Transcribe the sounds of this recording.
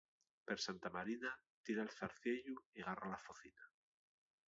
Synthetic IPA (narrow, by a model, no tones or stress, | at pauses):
peɾsant̪amaɾina | t̪iɾaelθaɾθje̞ʎuiɣaralafoθina